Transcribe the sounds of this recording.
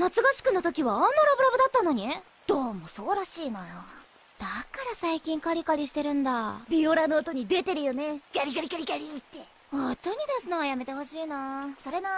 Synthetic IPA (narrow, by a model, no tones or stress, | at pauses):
nat͡sɨɡaɕi̥kɯ̟not̪o̞kʲiβaãnːoɾabɯɾabɯ̟d̪at̪ːano̞ɲ̟ie | d̪̥o̞ːmo̞so̞ːɾaɕiːnajo | d̪̥akaɾasaikʲĩŋkaɾʲikaɾʲiɕi̥t̪e̞ɾɯ̟̃nd̪abʲioɾanoːt̪o̞ɲ̟id̪e̞t̪e̞ɾɯ̟jo̞ne̞ɡaɾʲiɡaɾikaɾʲikaɾʲit̪ːe̞ | ot̪ːoɲ̟id̪asɨnoajame̞t̪e̞ho̞ɕiːnasoɾe̞na